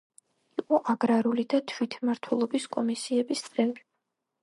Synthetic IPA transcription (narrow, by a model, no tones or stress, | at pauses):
iqʼɔʔaɡɾaɾulid̪at̪ʰwit̪ʰmaɾt̪ʰwɛlˠɔbiskʼɔmisiɛbist̪sʼɛmi